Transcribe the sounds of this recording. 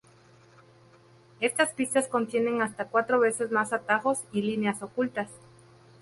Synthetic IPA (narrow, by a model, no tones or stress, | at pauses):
e̞st̪aspist̪asko̞nt̪je̞nẽ̞ŋast̪akwat̪ɾo̞βe̞se̞zmasat̪axo̞silineaso̞kult̪as